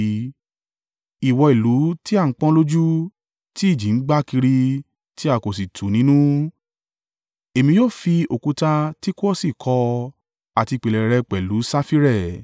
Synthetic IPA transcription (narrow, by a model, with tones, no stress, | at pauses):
i˨wɔ˧i˨lu˨˦ti˦a˦˨ŋ̩˦k͡pã˦lo˦d͡ʒu˦ | ti˦i˦˨d͡ʒĩ˨˦ŋ͡m̩˦ɡ͡ba˦ki˧ɾi˧ | ti˦a˦˨ko˨s̬i˨tʰu˨nĩ˨˦nũ˦ | e˨mĩ˧jo˦˨fi˧o˨ku˨˧ta˧ti˦ko˦ɔ˦si˦˨kʰɔ˧ | a˨ti˧˨k͡pe˨lɛ˨ɾɛ˨˧k͡pɛ˨lu˨˦sa˦fi˦ɾɛ˦˨